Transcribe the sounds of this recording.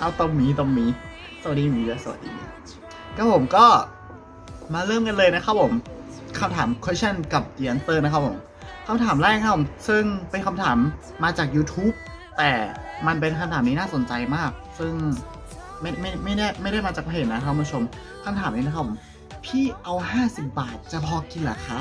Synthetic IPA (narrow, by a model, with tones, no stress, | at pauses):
ʔa˧˩wt̪o˧ŋmiː˦˥t̪o˧ŋmiː˨˦˥ | sa˧˩a˨˩iː˧˨˩iː˧˩˧sa˧˩a̰˨˩t̚dḭː˧a̰˧˩ | kʰa˦˥pʰo˨˩˦mkɔː˥˩ | maː˧ɾɤː˥˩mka˧nlɤː˧jna˦˥kʰa˦˥p̚ʰːo˨˩˦mkʰa˧mt̪ʰaː˩˦mkʰe˦˥t͡ɕʰa˥˩nka˨˩p̚diː˧ʔa˧˦nt̪ɤː˥˩na˦˥kʰa˦˥pʰo˩˦m | kʰa˧mt̪ʰaː˩˦mɾɛː˥˩k̚ʰa˦˥pʰo˨˩˦msɯ˥˩ŋpa˧nkʰa˧mt̪ʰaː˩˦mː | aː˧t͡ɕaː˨˩k̚juː˧t̪ʰuː˦˥p̚ | t̪ɛː˨˩ma˧np̬e˧nkʰa˧mt̪ʰaː˩˦niː˦˥naː˥˩so˩˦nt͡ɕa˧jmaː˥˩k̚sɯ˥˩ŋ | ma˥˩jma˥˩jma˥˩jdaː˥˩jma˥˩jɾa˥˩jmaː˧t͡ɕa˨˩pʰe˨˩t̪na˦˥kʰa˦˥˧t͡ɕʰo˧m | kʰa˧mt̪ʰaː˩˦mniː˦˥na˦˥kʰa˥pʰːo˩˦m | pʰiː˥˩ʔa˧wɦaː˥˩si˨˩p̚baː˨˩t̪̚t͡ɕa˨˩pʰɔː˧ki˧nlaː˨˩˦kʰa˦˥